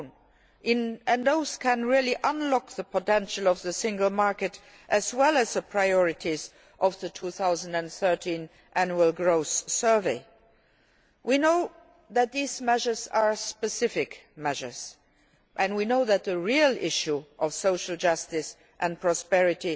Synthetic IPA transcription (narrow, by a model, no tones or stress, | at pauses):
n | ɪ̃nɨ̃nðoʊz̥kʰɛ̃nɹiliʔʌ̃nlɔkðəpʰətɛ̃nʃəlɔvðəsɪ̃ŋɡəlmaɹkɨt | ʔɨzwɛlæzðəpʰɹ̥aɪɔɹɪtʰiz | ʔɔvðətʰuːθaʊzəndæ̃nθɜ˞tʰĩn | ʔænjuəlˠɡɹoʊssɜ˞veɪ | winoʊ | ðæt̚ðiːzmɛʒə˞za˞spəsɪfɪkmɛʒə̰˞z̥ | ʔɨ̃nwinoʊðæt̪̚ðəɹiəlɪʃjuʔɔfsoʊʃəl̩d͡ʒʌstɪs | ʔɛ̃npʰɹ̥ɔspɛɹɪti